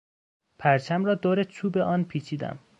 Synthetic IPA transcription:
pʰæɾt͡ʃʰæmɾɒːd̪oːɾet͡ʃʰuːbe̞ʔɒːnpʰiːt͡ʃʰiːd̪æ̰m

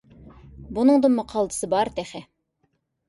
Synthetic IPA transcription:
bunɨŋd̪ɨnmʊqʰɑlˠd̪ɨ̥sɨbɑɾt̪ʰɛχɛ

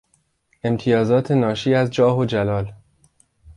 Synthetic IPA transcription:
ʔe̞mt̪ʰijɒːzɒːt̪ʰe̞nɒːʃiːæzd͡ʒɒːɦod͡ʒælɒːl

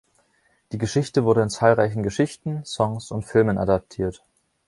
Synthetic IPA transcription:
d̥iːɡəʃɪçtəvʊɐɾəɪnt͡saːlʁaɪçn̩ɡəʃɪçtn̩sɔŋsʊntfɪlmənʔa̰dap̚tʰiːɐt

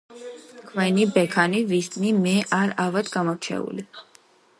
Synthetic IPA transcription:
kʰwɛnibɛkʰanivist̪ʼnimɛʔaɾavad̪ɡamɔɾt͡ʃʰɛ̰ṵli

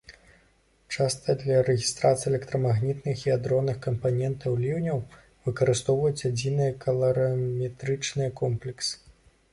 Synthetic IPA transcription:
t͡ʂast̪ɐd̪lʲɐɾɛɣʲist̪ɾat̪sɨijɛlʲɛkt̪ɾɐmaɣnʲit̪nɨxiad̪ɾɔnːɨxkɐmpanʲɛnt̪ɐwlʲiwnʲɐw | vɨkɐɾɨst̪ɔwvɐjut͡sʲad͡zʲinɨjɐkʰɐlˠɐɾɐmʲɛt̪ɾɨt͡ʂnɨjɐkɔmplʲɛksɨ̥

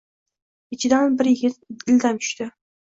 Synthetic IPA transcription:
ɪt͡ʃʰɪd̪anbɪɾjɪɡʲɪt̪̚ɪld̪ant̪ʰʊ̥ʃt̪ɪ

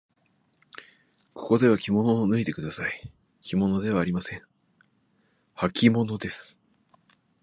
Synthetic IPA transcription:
kʰo̞̥ko̞d̪e̞β̞akʲimo̞no̞nɯ̟it̪e̞kɯ̟d̪asai | kʲimo̞no̞d̪e̞β̞aːɾʲimasẽ̞ŋ | hakʲimo̞no̞d̪e̞sɨ̥

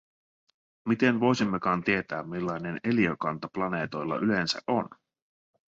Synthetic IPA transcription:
mit̪e̞nʋo̞jsimːekɑːnt̪ie̞t̪æːmmːilːɑjne̞ne̞liøkɑnt̪ɑplɑne̞ːt̪o̞jlːɑ̰ʔyle̞nsæ̰ʔo̞n

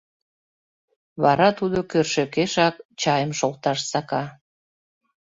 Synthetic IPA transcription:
βɑɾɑt̪ud̪okørʃekeʃɑkt͡ɕɑjəmʃolt̪ɑʃsɑkɑ

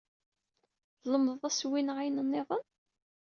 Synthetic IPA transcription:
ðləməðˤæswinʕajnənːiʁˤən

